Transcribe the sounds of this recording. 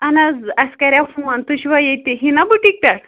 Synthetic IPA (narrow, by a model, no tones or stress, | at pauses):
anad͡zaskaɾʲjafũãnt̪uɕʋajet̪eɦinabuʈik̚t̪aɽ